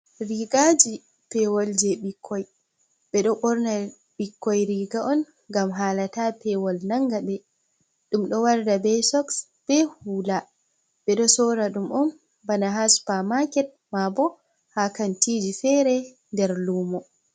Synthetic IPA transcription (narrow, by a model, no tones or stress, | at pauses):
ɾiɡad͡ʒi | pɛwɔld͡ʒɛɓikʰːɔj | ɓɛɗɔʔɔɾna | ɓikːɔjɾiɡaʔɔn | ɡamɦaːlatapɛwɔlnaŋɡaɓɛ | ɗumɗɔwaɾdabɛsɔks | b̥ɛhuːla | ɓɛɗɔsɔɾaɗumʔɔn | banaɦaspamakɛt̚mabɔ | hakantiːd͡ʒifɛːɾɛ | ndɛɾluːmɔ